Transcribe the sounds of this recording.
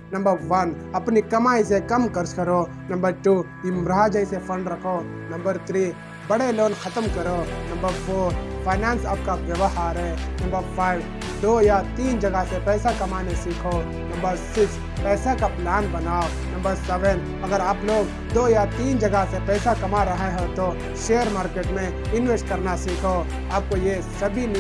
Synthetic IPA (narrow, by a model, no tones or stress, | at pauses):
nɐ̃mbəɾʋɐn | ɐpnikɐmaːisekɐmkɐɾskɐɾo | nɐ̃mbəɾʈu | imɾad͡ʒəisepʰɐɳɖɾɐkʰo | nɐ̃mbəɾt̪ʰɾiː | bɐɽeloːnkʰɐt̪əmkɐɾonɐ̃mbəɾpʰoːɾpʰaːɪnaːnsaːp̚kaʋjəʋəɦaːɾɛnɐ̃mbəɾpʰaːɪʋ | d̪oːjat̪iːnd͡ʒɐɡasepɛːsakɐmanesiːkʰo | nɐ̃mbəɾsɪks | pɛːsakaplaːnbɐnaːo | nɐ̃mbəɾsɛːʋən | ɐɡəɾaːploːɡ | d̪oːjat̪iːnd͡ʒɐɡasepɛːsakɐmaɾɐɦeɦot̪o | ʃeːəɾmaːɾkeːʈmẽ | ɪnʋesʈkɐɾnasiːkʰo | aːp̚koje | sɐbʱin